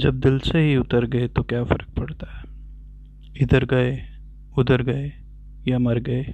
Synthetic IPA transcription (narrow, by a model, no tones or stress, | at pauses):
d͡ʒɐb̚d̪ɪlseɦiʊt̪əɾɡɐet̪okjaːfɐɾək̚pɐɽt̪aɦɛː | ɪd̪əɾɡɐe | ʊd̪əɾɡɐe | jamɐɾɡɐeː